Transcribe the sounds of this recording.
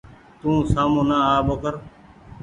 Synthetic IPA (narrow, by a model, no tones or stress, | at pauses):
t̪ũːsaːmũːnãːaːbokəɾ